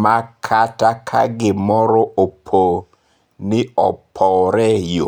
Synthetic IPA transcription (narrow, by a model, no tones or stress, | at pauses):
makʰatakʰa̰ɡɪmɔɾɔʔopʰo | nɪɔ̰pʰɔɾɛjo̰